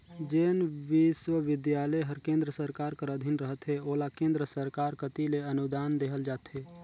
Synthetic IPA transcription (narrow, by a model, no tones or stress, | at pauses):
d͡ʒeːnʋɪswəʋɪd̪jaːləjɦəɾkẽːnd̪ɾəsəɾkaːɾkəɾəd̪ʱinɾəɦət̪ɦeoːlakẽːnd̪ɾəsəɾkaːɾkət̪ileənud̪aːnd̪eɦəld͡ʒaːt̪ɦeː